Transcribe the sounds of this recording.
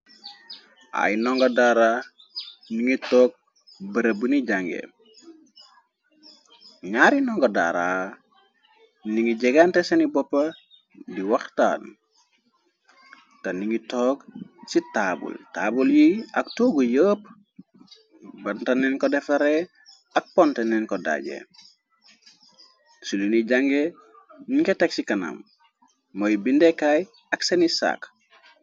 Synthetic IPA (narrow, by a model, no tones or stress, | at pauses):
ʔa̰jnɔŋɡɐdaɾaː | niŋitɔːk̚ | bɐɾɐbuniɟaŋɡɛ̰ | ɲaɾinɔŋɡɐda̰ɾa | niŋiɟɛɡantɛsɐnibɔpːɐ | diwaxta̰ːn | tɐniŋitɔːk̚sitaːbṵlta̰buljiɐktuːɡujəːp | bɐntɐnɛnkɔdɛftaɾe | ɐk̚pɔntenɛnkɔda̰ɟḛ | suniniɟaŋɡe | niŋketeksikɐna̰mː | ojbindekaj | ɐksɐnisa̰ːk